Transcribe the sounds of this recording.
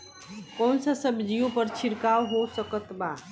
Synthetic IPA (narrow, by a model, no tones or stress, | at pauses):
kɔːnsasəbʱd͡ʒijõpəɾt͡ʃʰɪɾkawɦosəkət̪ba